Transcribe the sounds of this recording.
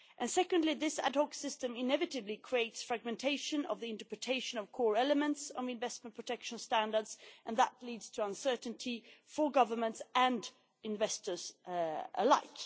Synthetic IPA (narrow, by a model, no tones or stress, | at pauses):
ʔɨ̃nsɛkɨ̃ndliðɪsæ̰dhɔksɪstɨ̃mɪnɛvɨɾɨblikʰɹ̥ieɪtsfɹæɡ̚mɨ̃ntʰeɪʃɨ̃nʌ̰vðiɪ̃ntəpɹɨtʰeɪʃɨ̃nʌv̥kʰɔɹɛlˠəmə̃ntsn̩ɨ̃ɱvɛsmə̃npʰɹ̥ətʰɛkʃə̃n̩stæ̃ndə˞dz̥ʔə̃nðətlidz̥tʰəʌ̃nsɜ˞ʔn̩tʰifə˞ɡʌvə˞mə̃ntsɨ̃n | ɨ̃ɱvɛstə˞z | ə̰la̰ɪk